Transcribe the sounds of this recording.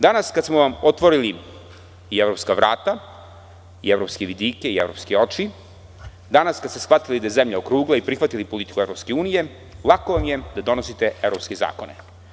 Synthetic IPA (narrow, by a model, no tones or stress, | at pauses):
d̪anaskad̪smoʋamot̪ʋoɾili | ievɾoːpskaʋɾaːt̪a | ievɾopskeʋid̪iːkeievɾoːpskeo̞t͡ʃi | d̪anaskad̪st̪esxʋat̪ilid̪ajezemʎaokɾuːɡlˠaipɾixʋat̪ilipolit̪i̥kueɾo̞pskeuːnije | lˠakoʋamjed̪ad̪o̞nosit̪e̞evɾopskeza̰ːkone